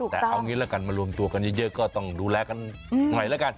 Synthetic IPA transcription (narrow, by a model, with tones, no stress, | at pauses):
t̪ɛ̰ː˨˩˧ʔa˧wŋi˧˦laː˧˦ka˨˩nmaː˨˧˩lu˧˩əmt̪u˧˩əka˨nɲi˧˦zəː˧˩kɔː˧˦˩t̪ɔ˧˩ŋɗuː˧˩lɛː˧ka˧n | ŋɔ˨˩jlaː˦ka˧˩n